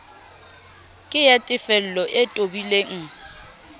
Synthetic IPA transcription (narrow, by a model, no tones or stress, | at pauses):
kʼɪjatʼɪfɛl̩lɔʔɪtʼobileŋ̩